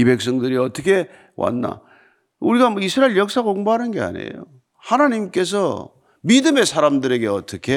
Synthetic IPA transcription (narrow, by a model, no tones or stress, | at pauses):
ibe̞k̚s̬͈ʌŋdɯɾiʌt͈ʌkʰe̞ | wa̰nːa̰ | uɾiɡamʌisʰɯɾailɭjʌk̚s͈aɡoŋboɦanɯnɡe̞a̰ɲe̞̰jo̰ | hanaɲimk͈e̞s̬ʰʌ | midɯme̞sʰaɾamdɯɾe̞ɡe̞ʌ̰t͈ʌkʰe̞